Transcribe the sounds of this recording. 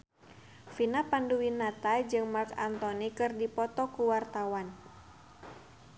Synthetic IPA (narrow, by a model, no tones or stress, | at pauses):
finapanduwinat̪ajd͡ʒɨŋmarka̰nt̪ɔnikɨrdipɔt̪ɔkuwart̪awan